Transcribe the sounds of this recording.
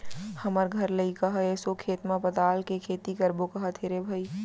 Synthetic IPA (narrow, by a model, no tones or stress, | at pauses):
hɐməɾɡʱɐɾləikɐɦaeːsokʰeːt̪mãpɐt̪aːlkekʰeːt̪ikɐɾbokɐɦət̪ʰeːɾebʱɐi